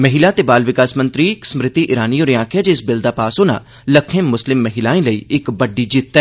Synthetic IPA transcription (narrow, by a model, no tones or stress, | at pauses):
məɦɪlaːt̪eːbaːlʋɪkaːsmə̃nt̪ɾiːksəmɾɪt̪iːʔɪɾaːniːoːɾiãːkʰjaːd͡ʒeɪsbɪld̪aːpaːsoːna̰ː | ləkʰẽːmːʊslɪmːəɦɪlaːĩːləiːɪkbəɖːiːd͡ʒit̪ːɛː